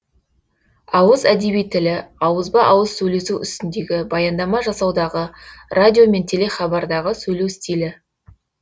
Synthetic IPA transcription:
ɑwəzæd̪e̞bijt̪ʰːɪlɪɑwəzbɑʔɑwəzsɵjle̞suʏ̰st̪ɪnd̪e̞ɡʲɪbɑjɑnd̪ɑmɑʒɑsɑwd̪ɑʁərʔad̪ʲijo̞me̞nt̪ʰe̞le̞χɑbɑɾd̪ɑʁəsɵjle̞wst̪ʲilɪ

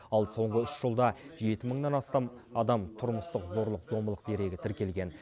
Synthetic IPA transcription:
ɑlˠso̞ɴʁəʏʃʒ̥əlˠd̪ɑʒe̞t̪ɪməɴnɑnɑst̪ɑmɑd̪ɑmt̪ʰʊɾməst̪əqzo̞ɾlˠəqzo̞mbəlˠəqd̪e̞ɾe̞ɡʲɪt̪ʰɪɾkʲe̞lɡʲe̞n

